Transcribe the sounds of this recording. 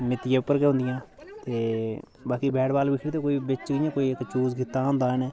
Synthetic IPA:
mɪt̪ːɪjaːʊpːəɾkeːɦõːnd̪ɪjãːt̪eː | baːkiːbɛːɽbaːlbɪkʰɽt̪eːkoːiːbɪt͡ʃkɪjãːkoːiːɪkt͡ʃuːzɡɪt̪ːaːɦõːnd̪aːnɛː

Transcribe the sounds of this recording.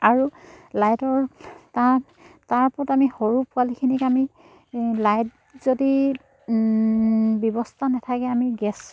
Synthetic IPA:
aɹulajtɔɹta | taɹpɔtamihoɹupʊalikʰinikami | lajt̚ | z̥odi | bjɔbɔstʰanɛtʰakɛamiɡɛs

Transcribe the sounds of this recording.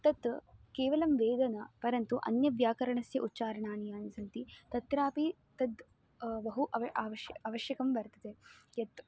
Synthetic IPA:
t̪ɐt̪keːʋɐlɐmʋeːd̪ɐnɐpɐɾɐnt̪uʔɐ̰njɐʋjaːkɐɾɐɳɐsjɐʔutːt͡ʃaːɾɐɳaːɳijaːnisɐnt̪it̪ɐt̪ɾaːpi | t̪ɐd̪ | bɐɦuʔɐʋaːʋɐʃɐʋɐʃjɐkɐmbɐɾt̪ɐd̪ejɐt̪

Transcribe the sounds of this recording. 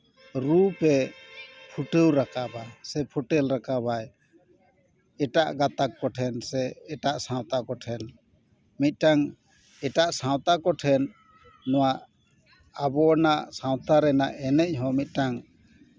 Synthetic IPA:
ɾupɛ | pʰuʈəwɾakabasɛpʰuʈɛlɾakabaj | ɛʈaʔɡat̪akːɔʈʰɛnsɛɛʈaʔsãw̃t̪akɔʈʰɛn | mit̪̚ˀʈaŋ | ɛʈaʔsãwt̪akɔʈʰɛnː | ɔwaʔ | abɔnaʔsãwt̪aɾɛnaʔɛnɛc̚ɦɔ̃mit̪̚ˀʈaŋ

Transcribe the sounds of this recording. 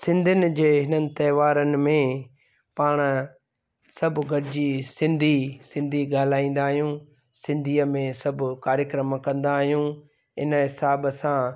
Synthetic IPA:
sɪ̃nd̪ʱɪnɪ̆d͡ʑeːɦɪnənɪ̆t̪ɐːʋaːɾənɪ̆mẽ | paːɽ̃ | sɐbʱʊɡʱɐɾɪd͡ʑisɪ̃nd̪ʱisɪ̃nd̪ʱiɡaːlaːĩːn̆d̪aːɦijũː | sɪ̃nd̪ʱiːəmẽsɐbʱʊkaːɾjəkɾəmkɐ̃nd̪aːɦijũ | ɪnɦɪsaːbsã

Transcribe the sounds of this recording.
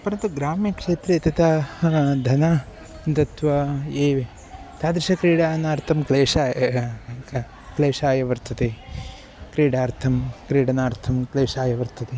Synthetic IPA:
pɐɾɐt̪uɡɾaːmjɐkʂeːt̪ɾeːt̪ɐt̪ɐd̪ʱɐnɐ | nt̪ɐt̪ʋɐeːʋ | t̪aːd̪ɾiʃɐkɾiːɽaːnaːɾt̪ʰɐmkleːʂaː | kleːʂaːjɐʋɐɾt̪ʰɐt̪e | kɾiːɽaːɾt̪ʰɐmkɾiːɽɐnaːɾt̪ʰɐmkleːʂaːjɐʋɐɾt̪ʰɐt̪e

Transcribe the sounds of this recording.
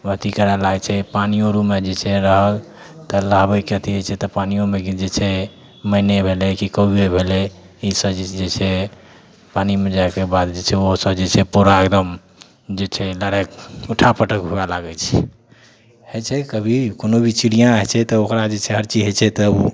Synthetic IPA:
ət̪ikəɾalaɡt͡ʃʰɛpanijoɾumed͡ʒet͡ʃʰɛɾəɦəl | t̪əlabəkeət̪ʰiɦet͡ʃʰɛt̪ɔpanijomekid͡ʒet͡ʃʰɛ | məɪnebʱelɛkikəebʱelɛ | isəbd͡ʒd͡ʒet͡ʃʰɛ | panimed͡ʒaekebad̪d͡ʒet͡ʃʰɛoɦsəbd͡ʒet͡ʃʰɛpoɾaɡd̪əm | d͡ʒet͡ʃʰɛləɽakuʈʰapəʈəkɦualaɡɛt͡ʃʰɛ | het͡ʃʰɛkəbʱikonobʱit͡ʃiɽijãəɦt͡ʃʰɛt̪ɔokɾad͡ʒet͡ʃʰɛɦəɾt͡ʃiɦet͡ʃʰɛt̪ɔu

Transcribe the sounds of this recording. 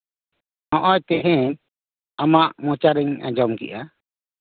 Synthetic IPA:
nɔ̃ʔɔjt̪ɛɦɛ̃ | amaʔmɔ̃t͡ʃaɾɛɲa̰d͡ʒɔmkḭʔa

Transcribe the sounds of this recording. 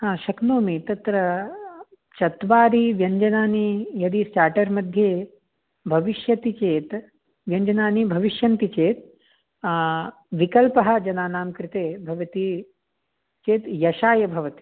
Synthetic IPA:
ɦaːʃɐknoːmit̪ɐt̪ɾɐ | t͡ʃɐt̪ʋaːɾiʋjɐɲd͡ʒɐnaːnijɐd̪isʈaːʈɐɾmɐd̪ʱjeː | bʱɐʋiʃjɐt̪it͡ʃeːt̪ | ʋjɐɲd͡ʒɐnaːnibʱɐʋiʃjɐnt̪it͡ʃeːt̪̚ | ʋikɐlpɐɦɐ̆d͡ʒɐnaːnaːmkɾɪt̪eːbʱɐʋɐt̪i | t͡ʃeːt̪jɐʃaːjɐbʱɐʋɐt̪i̥

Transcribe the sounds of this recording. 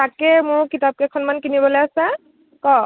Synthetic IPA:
takɛmʊɹkitap̚kɛkʰɔnmankinibɔlojasɛ | kɔ

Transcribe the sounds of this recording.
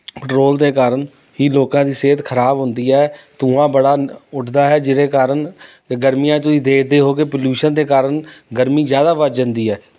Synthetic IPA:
pʈɾoːld̪eːkaːɾəɳ | iːloːkãːd̪iːseːt̪kʰəɾaːbɦʊ̃nd̪iːɛːt̪ʊãːbəɽaːʊʈʰd̪aːɦɛːd͡ʒɪɾeːkaːɾəɳ | ɡəɾmijãːt̪ʊiːd̪eːkʰd̪eːɦoːk̬eːpəljuːʃənd̪eːkaːɾənɡəɾmiːzjaːd̪aːʋəd͡ʒənd̪iːɛː

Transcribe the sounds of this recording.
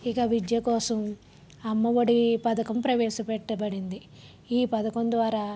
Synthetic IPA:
ikɐʋid͡ʒjɐkɔːsɐm | ɐmːɐʋɐɽipɐd̪ɐkɐmpɾɐʋɛːʃɐpɛʈːɐbɐɽind̪i | iːpɐd̪ɐkond̪ʋaːɾa

